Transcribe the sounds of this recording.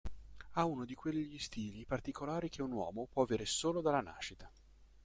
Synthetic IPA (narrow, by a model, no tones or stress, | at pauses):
aunod̪ikwelːiʎist̪iːlipart̪ikolaːɾik̟eunwɔ̰ːmopwɔaveːɾesoːlod̪alana̰ːʃit̪ḁ